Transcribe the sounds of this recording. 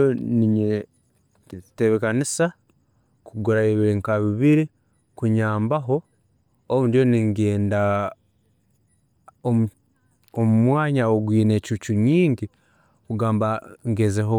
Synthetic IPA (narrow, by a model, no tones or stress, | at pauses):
oniɲe | teβekanisa | kuɡuɾaeβiɾiŋkaβiβiɾi | kuɲaːmbaɦo̞ | oβundjo̞niŋɡeːnda | o | omumwaːɲaoɡwiːne̞cut͡ʃuɲiːɲɟi | kuɡaːmbaŋɡezeɦo